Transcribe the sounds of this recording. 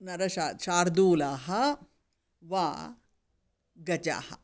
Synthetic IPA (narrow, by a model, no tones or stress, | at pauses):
nɐɾɐʃaːʃaːɾd̪uːlaːɦɐ | ʋaː | ɡɐt͡ʃa̰ːhɐ̰